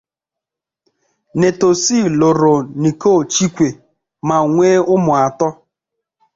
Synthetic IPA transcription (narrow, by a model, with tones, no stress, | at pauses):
ne˨to˨si˦˨lʊ˨ɾʊ˨ni˨ko˦˨t͡ʃi˦kʷe˨ | ma˨ŋʷe˦ʊ˦mʊ˨a˨tɔ˦